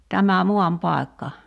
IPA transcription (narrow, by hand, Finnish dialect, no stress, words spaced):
tæmæ muɑmpɑˑi̞kːɑ